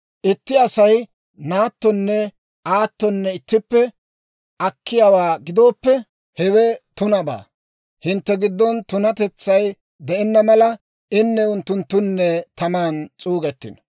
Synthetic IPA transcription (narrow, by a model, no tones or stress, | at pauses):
ʔɪt̪ːɪɐsɐj | naːt̪ːɔnːɛ | aːt̪ːɔnːɛɪt̪ːɪpːɛ | ʔɐkːɪjawaːɡɪd̪o̞ːpːɛ | hɛwɛt̪ʊnɐba̰ː | hɪnt̪ːɛɡɪd̪ːɔnt̪ʊnɐt̪ɛt͡sːɐj | d̪ɛɛnːɐmɐlɐ | ɪnːɛʊnt̪ːʊnt̪ːʊnːɛt̪ɐmaːnt͡sʼuːɡɛt̪ːɪ̰n